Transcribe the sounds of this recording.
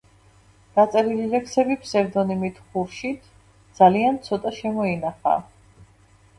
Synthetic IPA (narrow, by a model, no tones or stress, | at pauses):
d̪̥at̪sʼɛɾililɛksɛbipʰsɛɾd̪ɔnimit̪ʰχuɾʃit̪ʰ | d̪z̥aliant̪sʰɔt̪ʼaʃɛmɔinaχa̰ː